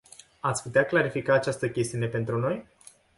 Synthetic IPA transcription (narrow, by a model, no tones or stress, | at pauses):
at̪sʲput̪eaklaɾifikaːt͡ʃast̪əkʲe̞st̪iunepe̞nt̪ɾuno̞j